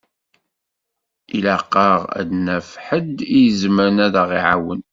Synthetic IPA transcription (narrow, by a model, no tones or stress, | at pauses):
ilæqːɑʁæ̰d̪næfħəd̪ijəzməɾnæðæʁiʕawə̰n